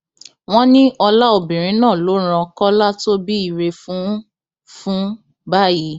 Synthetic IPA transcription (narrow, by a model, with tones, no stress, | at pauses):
w̃ɔ̃˦nĩ˦ʔɔ˧la˦o˨bĩ˨ɾ̃ĩ˨˦nãː˦˨lo˨˦ɾ̃ã˧kɔ˦la˦to˦bi˦i˦˨ɾe˧fũ˨˦ | fũ˦ | ba˦˨ji˨˦